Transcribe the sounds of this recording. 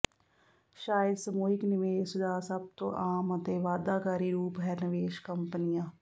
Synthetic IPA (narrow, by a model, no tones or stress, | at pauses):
ʃaːjəd̪səmoːɦɪknɪʋeːsd̪aːsəb̚t̪õ̰ːʔaːmət̪eːʋaːd̪aːkaːɾiːɾuːpɦɛɾnəʋeːʃkəmpnɪjãː